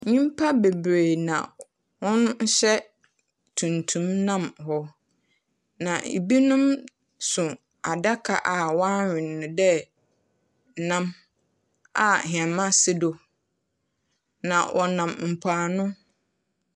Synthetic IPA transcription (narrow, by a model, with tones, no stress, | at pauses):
ɲĩ˦m˦pʰa˦be˨bɾe˨nã̰˨ | hʊ̃˦nn̩˦ɕɛ˦ | tʰũ˨ntʰũ˦mnã˦mhɔ˦ | nã˨ḭ˨bi˦nũ˦m | sʊ̃˨ | a˨da˦kʰa̰˨ʔa˨wã˦ɥᶣɪ̃˨nːʊ̃˨dɛ˦˨ | nã˦m | a˨ɦɪ̃˨ɛ˨mã˦sɪ˦do˨ | nã̰˨wʔɔ˨nã˨mm̩˨pʰaː˨nʊ̃˦